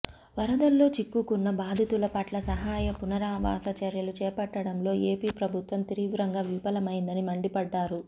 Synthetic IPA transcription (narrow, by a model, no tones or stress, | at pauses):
ʋɐɾɐd̪ɐlːo̞ːt͡ʃikːukunːɐbaːd̪ʱit̪ulɐpɐʈlɐsɐɦaːjɐpunɐɾaːʋa̰ːsɐt͡ʃɐɾjɐlut͡ʃɛːpɐʈːɐɽɐmlo̞ːeːpiːpɾɐbʱut̪ʋɐmt̪iɾiʋɾɐŋɡaːʋipɐlɐmɐjind̪ɐnimɐɳɖipɐɖːaːɾu